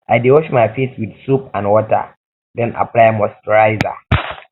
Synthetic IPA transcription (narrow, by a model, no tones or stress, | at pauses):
ʔajdewɔʃmajfitwɪd̪supãnwɔta̰ | dɛ̃nʔa̰plajmɔstɔɹaɪza̰